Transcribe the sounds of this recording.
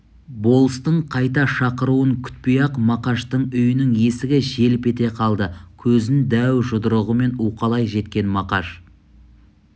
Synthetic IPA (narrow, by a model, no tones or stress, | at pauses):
bo̞lˠəst̪əɴqʰɑjt̪ɑʃɑqəɾuəŋkʲʰʏ̥t̪̚pejɑqmɑqɑʃt̪əɴʏjɪnɪŋje̞sɪɡʲɪʒe̞lɪpe̞t̪e̞qʰɑlˠd̪əkʲʰɵzɪnd̪æwʒʊd̪əɾəʁəme̞nuqɑlˠɑjʒe̞t̪̚kʲe̞nmɑqɑʒ